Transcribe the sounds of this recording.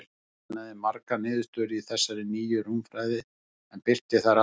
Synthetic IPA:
naðɪmaɾkanɪːðʏst̪œːɾɪiθɛsːaɾɪniːjʏɾumfɾaːjðɪ | ɛnpɪr̥t̪ɪθaɾa

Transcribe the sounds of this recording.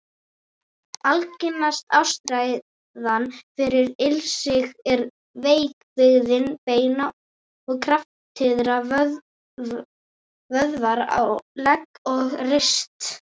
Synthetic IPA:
alcɪnast̪awst̪ɾaj | ðanfɪɾɪɾɪlsɪɣɛɾ | veːjkvɪɣðɪnpeːjna | ɔɣkʰɾaft̪ʰɪðɾav | vœðvaɾa̰wlɛkːɔɣrɪst̪

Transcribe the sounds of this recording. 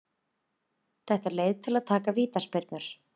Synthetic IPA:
θɛht̪alejðt̪ʰɪlaðt̪ʰaːkaviːt̪aspɪɾt̪nʏɾ̥

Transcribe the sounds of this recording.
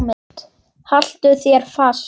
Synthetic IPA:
mɪt̪ | hal̥t̪ʏθjɛɾ̥faːs

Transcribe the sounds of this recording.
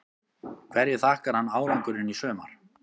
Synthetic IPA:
kʰvɛɾjɪ̥θaːhkaɾ̥hanːaːwɾaŋkʏɾɪnisœːma̰ɾ̥

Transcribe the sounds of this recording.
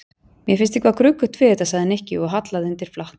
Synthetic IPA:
mjɛfɪnst̪i̥hkvakɾʏːkʏ̥t̪ʰvɪðɛht̪asaɣðɪnɛhcɪɔɣɦat̪laðʏnt̪ɪɾ̥flaht̪n

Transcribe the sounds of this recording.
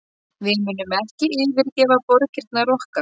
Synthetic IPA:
vɪðmʏːnʏmɛhcɪʔɪvɪɾcɛːvapɔɾcɪɾ̥t̪narɔhka

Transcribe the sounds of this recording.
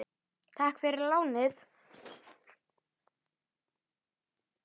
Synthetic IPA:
t̪ʰaːhkfɪɾɪɾlaːwnɪθ

